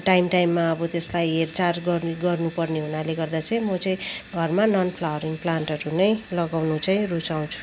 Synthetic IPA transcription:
ʈajmʈajmːaʌbʌt̪eslajɦert͡sarɡʌrniɡʌrnupʌrneɦunaleɡʌrd̪at͡sʌĩmʌt͡sʌĩɡʱʌrmanʌnpʰlawʌɾiŋplanʈʌɾunʌjlʌɡawnut͡sʌĩrut͡saw̃t͡sʰu̥

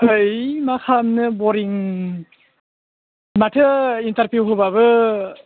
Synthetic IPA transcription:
hɯjmakʰamnɯbɔɾiŋ | matʰɯintaɾpuwɦobaβɯ

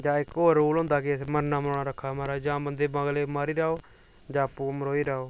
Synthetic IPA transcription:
d͡ʒãːɪkɦoːɾuːlɦʊ̃nd̪aːkɪsməɾnaːməɾoːɽaːɾəkʰːaːmaːɾaːd͡ʒãːbənd̪eːbãːɡleːmaːɾiːɾaːoː | d͡ʒãːpũːməɾoːiːɾaːoː

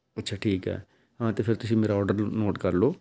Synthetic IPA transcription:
ɪtːʃʰaːʈʰiːkɦɛ̰ː | ɦãːt̪eːpʰɪɾt̪ʊsĩːmeːɾaːɔːɾɖəɾnoːʈkəɾloː

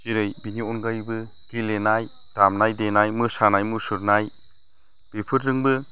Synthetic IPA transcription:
kiɾɯjbiniɔnɡajbɯ | ɡ̥ilenaj | tamnajdenajmɯsanajmɯsuɾnaj | b̥ipʰɯtɾɯŋbɯ

